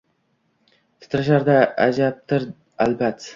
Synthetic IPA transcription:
t̪ʰɪ̥t̪ɾaʃ̬aɾd̪aad͡ʒap̚t̪ʰɪɾ | albat̪ː

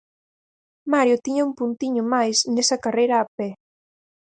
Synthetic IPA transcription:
maɾjʊt̪iɲaumpunt̪iɲʊmajsnesɐkarejɾaːpe

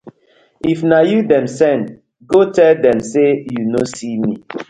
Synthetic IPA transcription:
ifnajudɛ̃msɛ̃n | ɡotɛldɛ̃msejunosimi

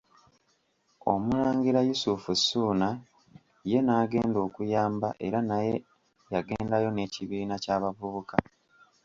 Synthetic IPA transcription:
o̞̰muɾaːŋɡiɾajusufusːuːna | je̞naːɡe̞ːndo̞ːkujaːmbaʔe̞ɾanaje̞ | jaɡe̞ːndajo̞ne̞ːciβiːnacaːβavuβuka

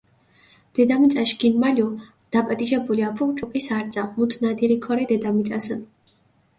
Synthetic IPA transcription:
d̪̥ɛd̪amit̪sʼaʃɡinmaliɔ | d̪̥apʼat̪ʼiʒɛbuliapʰukʼt͡ʃʼukʼisaɾt̪sʼamut̪ʰnad̪iɾikʰɔɾɛd̪ɛd̪amit̪sʼasən

